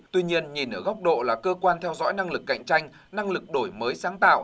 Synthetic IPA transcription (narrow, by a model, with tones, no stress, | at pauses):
t̪wi˧ɲi˧ənɲi˨˩nʔəː˧˩ɣa˦˥wk͡p̚ɗo̰˧˨laː˨˩kəː˧kwaː˧nt̪ʰɛ˧wzɔ̰˧˥jna˧ŋlɨ˨˩kːa̰˧˨jŋ̟t͡ɕa˧jŋ̟ | na˧ŋlɨ˨˩k̚ɗo˧˩jməː˨˦jsaː˨˦ŋt̪a̰ː˧˨wʔ